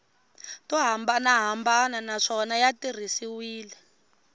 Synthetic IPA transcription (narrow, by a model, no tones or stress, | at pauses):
tɔɦambanaɦambananaʂɔnajatir̤isiwiːlɛ